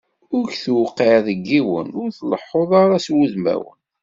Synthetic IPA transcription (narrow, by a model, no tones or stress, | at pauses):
ʊɾçθwqːiʕðəɡːiwə̰nʊɾθləħːoðˤɑɾaswuðmæ̰wə̰n